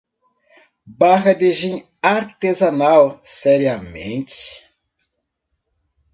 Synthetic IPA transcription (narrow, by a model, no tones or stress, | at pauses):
baɦɐd̪eʒĩ | aɾt̪ezɐnawsɛɾiɐmḛ̃nt͡ʃɪ̥